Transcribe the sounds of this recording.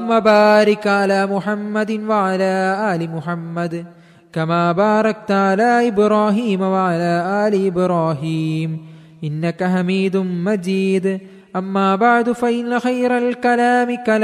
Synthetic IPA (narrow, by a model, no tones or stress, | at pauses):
mːɐbaːɾɪkʕalaːmʊħamːɐd̪ɪnwɐʕalaːʔaːlimʊħamːɐd̪ | kɐmaːbaːɾˤɐk̚t̪aʕalaːʔɪbɾaːɦiːmɐwɐʕalaːʔaːliɪbɾaːɦiːm | ʔɪnːɐkɐɦamiːd̪ʊnmɐd͡ʒiːd̪ | ʔɐmːaːbaʕd̪fɐʔɪnːɐxɐjɾɐlkɐlaːmɪkɐl